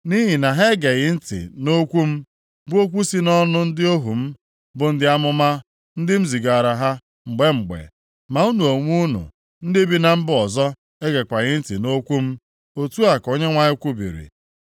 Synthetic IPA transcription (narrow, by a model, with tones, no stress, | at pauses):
ni˦ɦi˨na˨ɦe˦ɡe˨ɣɪ˨n̩˦tɪ̰˨no˦kʷu˦m̩˦ | bʊ˦o˦kʷu˦si˦nɔ˦nʊ˦n̩˦dɪ˦o˦ɦu˨m̩˦ | bʊ˨n̩˦dɪ˦a˦mʊ˦ma˦ | n̩˦dɪ˦m̩˦zi˨ɡa˨ɾa˨ɦa˦ | ŋ͡m̩˨ɡ͡be˦ŋ͡m̩˨ɡ͡bḛ˨ | ma˨u˦nu˨o˨ŋʷu˦nṵ˨ | n̩˦dɪ˦bi˦na˨m̩˦bʊ˦ɔ˨zɔ˦ | e˦ɡe˨kʷa˨ɣɪ˦n̩˦ti˨no˦kʷu˦m̩˦ | o˨tu˦a˨ko˦ɲe˦ŋʷa˦ɲɪ˦kʷu˦bḭ˨ɾḭ˨